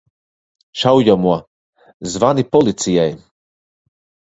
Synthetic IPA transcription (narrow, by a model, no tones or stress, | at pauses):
ʃawjamuɔ | zvanipɔlˠit̪sijaj